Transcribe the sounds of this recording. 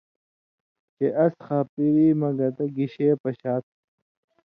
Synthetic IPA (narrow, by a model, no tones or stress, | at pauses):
t͡ɕeʔɐsxaːpiɾiːmɐɡɐt̪ɐɡiɕeːpɐɕaːt̪̚